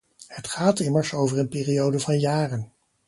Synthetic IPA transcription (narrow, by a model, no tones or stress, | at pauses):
hətχaːtɪməɹsowvərənpɪːriowdəvɑnjaːrən